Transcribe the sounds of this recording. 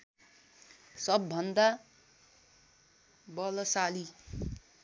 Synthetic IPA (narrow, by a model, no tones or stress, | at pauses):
sʌbːʌnd̪a | bʌlʌsali